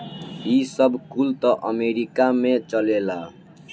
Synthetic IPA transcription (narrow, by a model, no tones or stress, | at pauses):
isʌbkult̪ʌʔʌmeɾikamet͡ʃʌlela